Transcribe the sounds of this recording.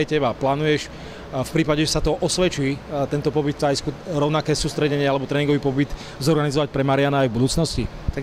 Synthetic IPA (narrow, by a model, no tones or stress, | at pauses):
jcɛbaplaːnujɛʃ | fpɾiːpaɟɛʒɛsat̪ɔʔɔsʋɛt͡ʃiːt̪ɛnt̪ɔpɔbit̪ajskuɾɔʊnakɛːsuːst̪ɾɛɟɛɲɪɛalɛbɔt̪ɾɛːiŋɡɔʋipɔbit̪ | zɔɾɡanizɔʋac̚pɾɛmaɾɪanaːjvbud̪uːt͡snɔscḭt̪a